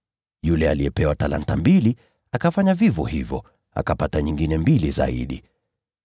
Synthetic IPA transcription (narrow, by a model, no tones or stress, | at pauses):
julɛaliɛpɛwatala̰ntambili | akafaɲavivɔhivɔ | a̰kapataɲiŋɡinɛmbiliza̰ḭɗi